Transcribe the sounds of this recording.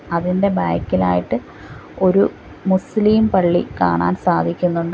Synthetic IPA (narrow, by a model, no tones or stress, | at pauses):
ɐðinde̞baːjkʲːilaːjiʈːɨ | o̞ɾu | musliːmpɐɭːḭka̰ːɳa̰ːnsaːd̪ʱikʲːunːuɳɖɨ